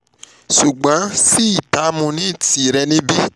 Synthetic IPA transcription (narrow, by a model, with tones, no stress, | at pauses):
ʃu˨ɡ͡bã˨˦si˦i˦˨ta˨˦mũ˧nĩ˦˨ti˨ɾɛ˧nĩ˦bi˦